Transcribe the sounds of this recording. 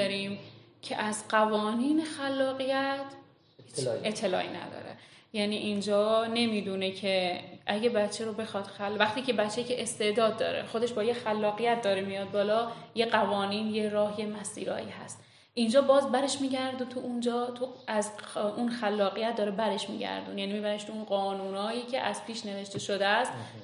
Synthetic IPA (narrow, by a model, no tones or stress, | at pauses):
ɒɾiːm | cʰḛʔæzɢævɒːniːnexælːɒːɣijæt̪ʰ | et̪ʰːe̞lɒ̰ːʔinæ̰d̪ɒ̰ːɾḛ | jæniʔind͡ʒɒːne̞miːd̪unecʰe̞ʔæɟebætt͡ʃʰeɾobe̞xɒːd̪̥xælvæxt̪iːce̞bæt̪t͡ʃʰːecʰeʔest̪e̞ʔd̪ɒːd̪̚ːɒ̰ːɾḛxo̞d̪e̞ʃbɒːjexælːɒːɣijæt̪̚d̪ɒːɾemijɒːd̪̚bɒːlɒːjeɣævɒːniːnjeɾɒːhje̞mæsḭːɾɒ̰ːjḭːhæ̰st̪ | ʔind͡ʒɒːbɒːzbæɾe̞ʃmiːɟæɾd̪ut̪ʰuʔund͡ʒɒːt̪ʰuæzʔunxælːɒːɣijæt̪̚ʰd̪ɒːɾebæɾeʃmḭɟæ̰ɾd̪ṵnjæːnimiːbæɾeʃt̪ʰuunɢɒːnuːnɒːjiːcʰe̞̰ʔæz̥pʰiːʃne̞ve̞ʃt̪e̞ʃod̪eæst̪